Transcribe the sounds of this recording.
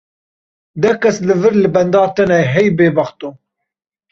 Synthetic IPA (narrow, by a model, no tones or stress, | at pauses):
d̪ɛkɛslɨvɨɾlɨbɛnd̪ɑːt̪ɛnɛɦɛjbeːbɐχt̪u